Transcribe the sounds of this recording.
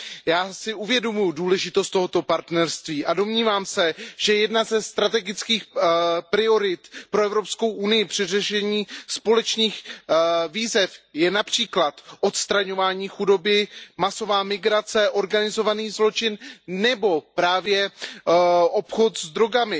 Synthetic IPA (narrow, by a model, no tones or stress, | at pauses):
jaːsɪʔuvjɛdo̞mujʊduːlɛʒɪt̪ost̪o̞ɦo̞t̪opaɾt̪nɛɾst̪viːʔado̞mɲiːvaːmsɛʒ̥ɛjɛdnazɛst̪ɾat̪ɛɡɪt͡skiːxpɾɪo̞ɾɪt̪pɾo̞ɛvɾo̞psko̞wʔunɪjɪpr̝̥ɪrɛʃɛɲiːspo̞lɛt͡ʃniːx | viːzɛfjɛnapr̝̥iːklat̪ʔot̪st̪ɾaɲo̞vaːɲiːxudo̞bɪmaso̞vaːmɪɡɾat͡sɛʔo̞ɾɡanɪzo̞vaniːzlo̞t͡ʃɪnnɛbo̞pɾaːvjɛ | ʔo̞pxo̞t̪zd̪ɾo̞ɡamɪ